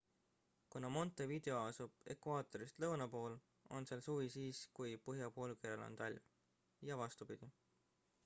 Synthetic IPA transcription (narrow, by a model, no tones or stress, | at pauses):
kunɑmo̞nt̪ːˑevid̪e̞o̞ɑsub̥e̞̰kvɑːt̪ˑo̞ɾist̪lɤwnɑpo̞ːl | o̞nselsuːvisiːskujpɤɦjɑpo̞ːlkeɾelo̰nt̪ɑlʲm | jɑvɑst̪upid̪̥i